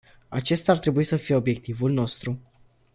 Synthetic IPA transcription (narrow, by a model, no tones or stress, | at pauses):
at͡ʃe̞st̪art̪ɾe̞buisəfije̞o̞bje̞k̚t̪ivulno̞st̪ɾu